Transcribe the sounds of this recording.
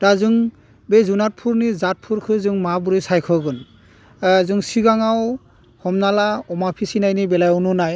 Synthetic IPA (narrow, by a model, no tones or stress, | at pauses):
tazɯŋ | bezunat̚pʰuɾnizat̚pʰuɾkʰɯzɯŋmabuɾisajkʰɔɡɯn | zɯŋsiɡaŋaw | hɔmnalaɔmapʰisinajnibɛlajununaj